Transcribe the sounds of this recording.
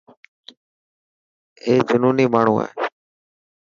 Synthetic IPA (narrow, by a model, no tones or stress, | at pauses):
eːd͡ʒʊnuːniːmaːɳ̤ũːa̰ːe